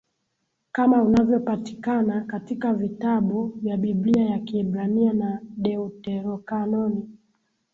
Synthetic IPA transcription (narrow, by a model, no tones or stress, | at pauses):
kamaunavjɔpati̥kanakatikavitaɓuvjaɓibliajakiːbɾanianaɗɛutɛɾɔkanɔni